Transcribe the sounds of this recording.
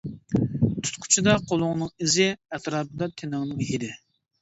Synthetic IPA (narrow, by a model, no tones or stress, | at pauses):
t̪ʰu̥t̪qʰʊ̥t͡ʃʰɪd̪ɑqʰolˠʊŋnɨŋɪzɪɛt̪ɾɑːp̚ɨd̪ɑt̪ʰenɨŋnɨŋɦid̪ɪ